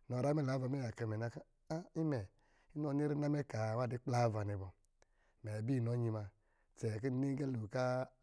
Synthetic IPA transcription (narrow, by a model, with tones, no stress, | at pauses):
nɔ˨ɾa˦mɛ˦˨la˨˦va˧˨m˦e˦ja˨kɛ˧˨mɛ˨na˧ka˦ | a˦i˦mɛ˨ | i˦nɔ˦ni˦ɾi˦na˦mɛ˦ka˨wa˦˨di˦k͡pla˦va˨ne˧˨bɔ˨ | mɛ˨bi˦˨nɔ˨˦ɲi˧ma˧ | t͡sɛ˨k̬i˦n˨ni˦ɡɛ˦lu˨ka˦